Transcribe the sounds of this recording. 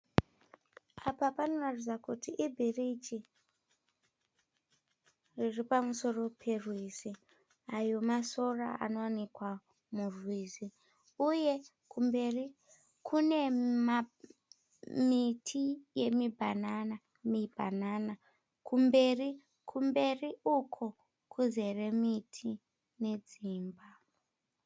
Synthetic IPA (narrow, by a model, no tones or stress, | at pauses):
apapano̞ratid͡zakutiʔːbʱirit͡ʃi | riripamuso̞ro̞pʰe̞rwizi | ajo̞maso̞ra̰a̰no̞wanikwa | murwiːzi | uje̞ | kumbe̞ri | kʰune̞ma | mitʰije̞mibʱanana | mibʱa̰nana | kʰumbe̞ri | kʰumbe̞riukʰo | kʰuze̞remitʰi | ne̞d͡ziːmba